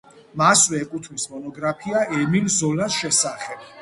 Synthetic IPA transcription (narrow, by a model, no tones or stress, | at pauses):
maswɛːkʼut̪ʰmismɔnɔɡɾapʰiaʔɛmilzɔlasʃɛsaχɛb̥